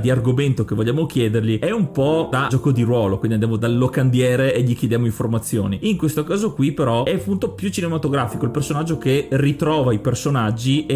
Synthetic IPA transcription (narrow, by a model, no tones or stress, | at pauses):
d̪iarɡoment̪okevoʎːaːmokjɛːd̪erʎiɛumpɔd̪ad͡ʒɔːkod̪iɾwɔːlokwindiand̪jamod̪alːokand̪jɛːɾeeʎikjed̪jaːmoiɱformat̪sːjo̰ːniiŋkwest̪okaːzokwipeɾɔɛpunt̪opjut͡ʃinemat̪oɡɾaːfikoilpersonad͡ʒːokerit̪ɾɔːvaipersonad͡ʒːie